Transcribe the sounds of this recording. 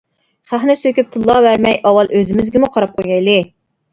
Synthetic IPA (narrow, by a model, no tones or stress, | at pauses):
χæχnɪsøkʲyp̚t̪ʰɨlˠːɑvæɾmɛjʔɑwɑlˠʔøzɪmɪzɡʲɪmuqʰɑɾɑp̚qʰojɡɛjlɪ